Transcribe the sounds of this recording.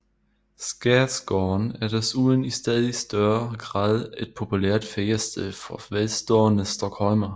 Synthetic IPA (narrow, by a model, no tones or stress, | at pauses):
sɡ̥æd̥sɡ̥ɔːnæɐd̥suðˠənisd̥ɛðˠisd̥ɶɐɡ̥ʁɑ̰̈ːð̰ˠe̝d̥̚pʰo̝pʰuleɐ̰d̥feɐsd̥elˠfɒʋelsd̥ɔːnəsd̥ɒkhɒlmɐ